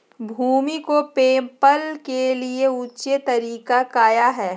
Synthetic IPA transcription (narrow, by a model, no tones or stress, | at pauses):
bʱuːmikopẽːmpəlkelieuːt͡ʃet̪ɐɾiːkakaːjaɦɛː